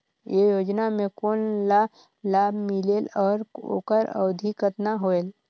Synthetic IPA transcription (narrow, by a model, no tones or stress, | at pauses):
jejoːd͡ʒnamẽkoːnla | laːbmɪlelɔːɾo̰ːkəɾə̰ʋd̪ʱikət̪naɦoːeːl